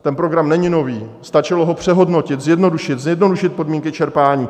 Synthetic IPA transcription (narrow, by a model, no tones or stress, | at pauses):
t̪ɛnpɾoɡɾamnɛɲɪno̞viːst̪at͡ʃɪlo̞ɦo̞pr̝̥ɛɦo̞dno̞cɪt̪zjɛdno̞duʃɪt̪zjɛdno̞duʃɪt̪̚po̞dmiːŋkɪt͡ʃɛɾpaːɲiː